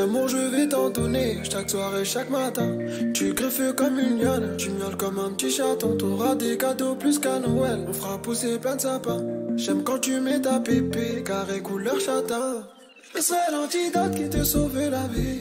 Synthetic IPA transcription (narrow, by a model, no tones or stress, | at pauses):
amɔ̃ʒəvet̪ɑ̃d̪ɔneʃakswaʁeʃakmat̪ɛ̃ | t̪yɡʁəføkɔmynjɔlt̪ymjɔlkɔmɛ̃pət̪iʃat̪ɔ̃t̪ɔ̃ʁad̪ekad̪oplyskanɔɛlɔ̃fəʁapuseplɛ̃d̪əsapɛ̃ʒɛmkɑ̃t̪ymɛt̪apepekaʁekulœʁʃat̪ɛ̃ | isəʁɛlɑ̃t̪id̪at̪̚kʲit̪əsovelave